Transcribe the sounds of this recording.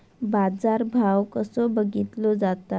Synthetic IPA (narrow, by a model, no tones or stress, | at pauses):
bad͡zaɾbʱawkəsobəɡit̪lɔd͡zat̪a